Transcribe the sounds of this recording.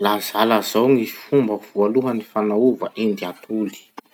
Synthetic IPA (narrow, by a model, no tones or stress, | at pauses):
lazalazawŋizifumbəv̥ualuɦənifanauvəʔind̪iat̪ʰuli̥